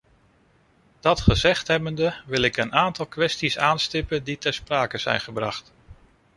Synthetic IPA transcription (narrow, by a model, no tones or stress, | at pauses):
d̥ɑtχəzɛχtɦɛbəndəʋɪlɪkənaːntɑlˠkʋɛstisaːnstɪpənditɛɹspraːkəz̥ɛ̰jnχəbrɑ̰χt